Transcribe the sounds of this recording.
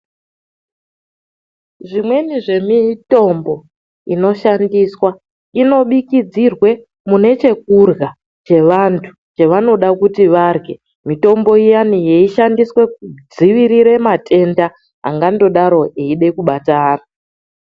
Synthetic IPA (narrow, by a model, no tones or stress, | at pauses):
ʐimwe̞niʐe̞mito̞mbo̞ | ino̞ʃandiswa | ino̞ɓikid͡zirwe̞ | mune̞t͡ʃe̞k̚urɣa | t͡ʃe̞ʋantʰu̥ | t͡ʃeʋano̞ɗakutiʋarɡe̞ | mito̞mbo̞ijanije̞iʃandiswe̞kud͡ziʋiɾiɾe̞matʰe̞nda | ɦa̰ŋɡando̞ɗaɾo̞eiɗe̞kuɓataːna